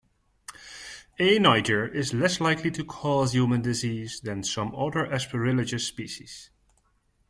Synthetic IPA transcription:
enaɪd͡ʒə˞ʔɪzlɛslaɪkʰlitʰɨkʰɔzjumə̃ndɪziːzðɨ̃nsʌ̃mʌðə˞ʔɛspəɹɪlɪd͡ʒɨspiʃiz̥

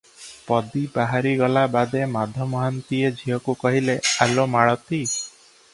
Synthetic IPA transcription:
pɔd̪ibaɦaɾiɡɔlabad̪emad̪ʱɔmɔɦant̪ied͡ʒʱijɔkukɔɦilealomaɭɔt̪i

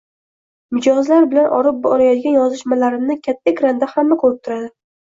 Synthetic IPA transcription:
mɪd͡ʒɒzlaɾbɪlanʔɒ̰ɾɪp̚bɒɾajɒt̪ɪɡʲanjɒzɪʃmalaɾɪmnɪkʲʰat̪ʰːakʲɾand̪ahamːakʰolˠɪp̚t̪ʰʊɾad̪ɪ

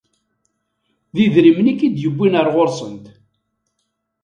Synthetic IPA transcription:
ðiðɾimnikid̪jəbːinəɾˤʁoɾsˤənt̪

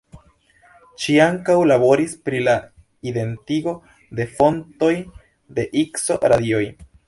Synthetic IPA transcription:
ʃiaŋkawlaβo̞ɾispɾila | id̪e̞ntiɡo̞ | d̪e̞fo̞nto̞j | d̪e̞ʔikso̞ɾad̪io̞j

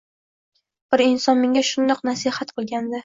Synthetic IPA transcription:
b̥ɪɾɪnsɒnmeŋʲaʃʊnd̪ɒqnasihat̪̚qʰɨlˠɡʲand̪ɪ

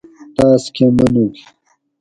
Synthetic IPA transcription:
t̪aːskʰemɐnuk

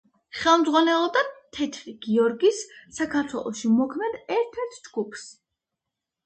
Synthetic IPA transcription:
χɛlˠmd̪zʁwanɛlˠɔd̪at̪ʰɛt̪ʰɾiɡiɔɾɡisːakʰaɾt̪ʰwɛ̰lˠɔ̰ʃimɔkʰmɛd̪ɛɾt̪ʰɛɾt̪ʰd͡ʒɡupʰs

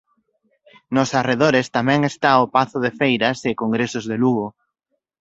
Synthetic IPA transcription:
nʊsareð̞oɾest̪amɛ̃ŋest̪aopaθʊðefejɾɐsɪkoŋɡɾesʊzðeluɣʊ

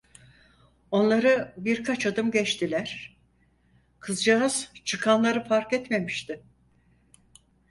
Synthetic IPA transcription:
o̞nlˠaɾɯbiɾkʰat͡ʃad̪ɯmɟɛt͡ʃt̪ʰilʲæɾ̥ | kʰɯzd͡ʒaaz̥t͡ʃʰɯkʰanlˠaɾɯfaɾkɛt̪me̞miʃt̪ʰɪ

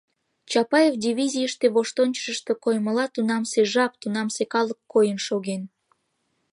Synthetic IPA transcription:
t͡ɕɑpɑjevd̪ʲiβʲizʲijəʃt̪eβoʃt̪onʲt͡ɕʃəʃt̪o̽kojməlɑt̪unɑmseʒɑp̚t̪unɑmsekɑləkːojənʃoɣen

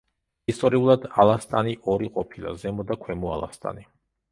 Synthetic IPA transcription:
ist̪ʼɔɾiulˠad̪alˠast̪ʼaniʔɔɾiqʼɔpʰilˠa̰zɛmɔd̪akʰwɛmɔa̰lˠa̰st̪ʼa̰ni

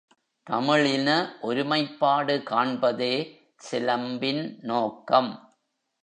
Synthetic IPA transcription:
t̪ɐ̰mɪɭɪnɐʔɔɾʊmɐɪpːaːɽɯkaːɳbɐðeː | sɪlɐmbɪnnoːkːɐm

